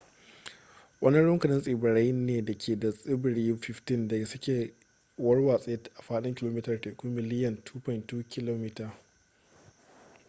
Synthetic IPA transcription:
wʔɐ˦nɪ˦ɽʊ˦ŋkɐ˨nɪ˦nsʼiː˨bɐ˨ɽa˦jneː˨dɐ˨kʰʲeː˨dɐ˨sʼɪ˦bɪ˨ɽiː˦ɸɪ˦ftɪ˦nda˨sʊ˦kʲeː˨ | wɐ˦rwaː˨sʼe˦tʔa˨ɸaː˦ɗɪ˦ŋkʲɪ˦loː˦miː˦tɐ˨rteː˨ku˦mɪ˨lɪ˦jɐ˦˨ntʰuː˦pɔ˨ɪ˨ntːuː˦kʲɪ˦loː˦miː˦taː˨

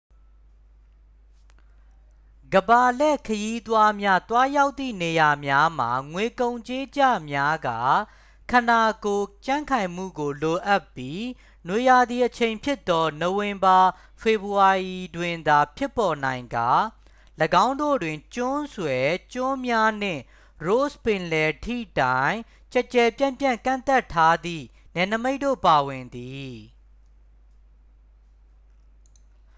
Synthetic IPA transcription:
ɡəba˨lɛ˦˨kʰəji˦t̪wa˦mja˦t̪wa˦ja˦ʊt̪ːḭ˦˨ne˨ja˨mja˦m̥a̰˨ŋwe˨kõ˨ʊ̃ɲt͡ɕe˦d͡ʑa̰˦˨mja˦ɡa̰˦˨ | kʰã˨na˨ko˨t͡ɕã̰˦˨ŋkʰã˨ɪ̃m̥ṵ˦˨ɡo˨lo˨ʔa˦pːji˦ | nwe˨ja˨d̪ði˨ʔət͡ɕʰẽ˨ɪ̃mpʰjɪ˦t̪ːɔ˦no˨wɪ̃˨mba˨ | pʰe˨bu˨a˨ʔi˨dwɪ̃˨nd̪a˨pʰjɪ˦pːɔ˨nã˨ɪ̃ŋɡa˦˨ | ləɡã˦ʊ̃ndo̰˦˨dwɪ̃˨ɲt͡ɕʊ̃˦swɛ˨t͡ɕʊ̃˦mja˦n̥ɪ̰̃˦˨ | ɹo˦spɪ̃˨nlɛ˨tʰḭ˦˨tã˨ɪ̃ | t͡ɕɛ˦t͡ɕɛ˨pjã˦˨mpjã̰˦˨ŋkã̰˦˨nt̪a˦˨tʰːa˦d̪ḭ˦˨nɛ̃˨nəme˦ɪʔtːo̰˦˨pa˨wɪ̃˨nd̪i˨

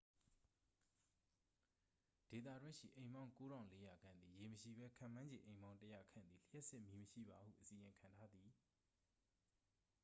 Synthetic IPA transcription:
d̥e˨t̪̬ä̰˦˨dwɪ̃˦ʃḭ˦˨ʔẽ˨ɪ̃mã˦ʊ̃ko˦ɾã˨ʊ̃le˦ja˨ɡã˦˨nd̪i˨je˨məʃḭ˦˨bɛ˦kʰã̰˦˨mã˦ɲd͡ʑḛ̃˨ʔẽ˨ɪ̃mbã˦ʊ̃ntə˦ja̰˦˨kʰã̰˦˨nd̪ði˨l̥jɛ˦ʔsɪ˦ʔmji˨məʃḭ˦˨ba˨hṵ˦˨ʔəsi˨jɪ̃˨ŋkʰã˨ntʰa˦d̪ði˨

